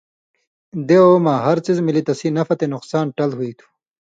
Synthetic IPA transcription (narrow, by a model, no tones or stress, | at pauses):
d̪eomaːɦɐɾt͡sizmilit̪ɐsinɐfɐt̪enuqsaːnʈɐlɦuit̪ʰu̥